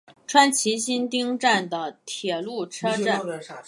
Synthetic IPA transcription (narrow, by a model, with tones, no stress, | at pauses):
ʈ͡ʂʰwa˥nt͡ɕʰi˧˥ɕi˥nt̪i˥ŋʈ͡ʂa˥˩nd̪ə˩t̪ʰjɛ˨˩lu˥˩ʈ͡ʂʰɤ˥ʈ͡ʂa˥˩